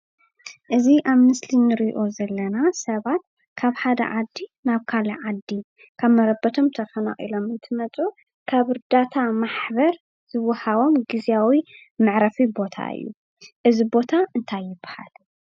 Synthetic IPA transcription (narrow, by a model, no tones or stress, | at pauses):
ʔɨziʔaβmɨslinɨɾiʔo̞zɐlːɐnasɐβat̪̚ | kʰaβħad̪ɐ̰ʕad̪ːinaβkʰalɐʕad̪i | kʰaβmɐɾɐbɐt̪ʰo̞mt̪ʰɐfɐna̰ʔʼḭlo̞mɨnt̪ʰɨmɐt͡sʼu | kʰaβɨɾd̪at̪ʰamaħbɐɾ | z̥ɨwːɐhaβo̞mɡizijawi | mɨʕɾɐfibo̞t̪ʰa̰ɨ̰jːṵ | ʔɨzibo̞t̪ʰaʔɨnt̪ʰajːɪbːaha̰l